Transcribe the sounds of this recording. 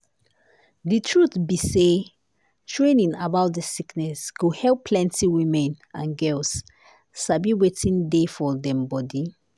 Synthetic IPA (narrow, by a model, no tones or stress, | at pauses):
ditʰɹutbise | tʰɹẽnĩnabaʊt̚dəsiknɛsɡ̥ohɛlpʰːlɛ̃ntiwĩmɛ̃nãnɡɛls | sabiwetĩndefɔdɛ̃mbɔdi